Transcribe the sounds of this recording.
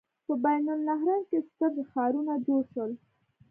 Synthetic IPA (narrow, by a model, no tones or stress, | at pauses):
pəbajnʊlnaɦɾɑnkest̪əɾzxɑɾunad͡ʒoɽʃəl